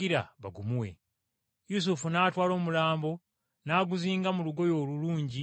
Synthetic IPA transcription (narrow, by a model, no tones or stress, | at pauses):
iɾa̰βaɡumuwe̞̰ | jus̬ufunaːtwaːlo̞ːmulaːmbo̞ | naːɡuziːŋɡamuluɡo̞jo̞ːluluːɲɟi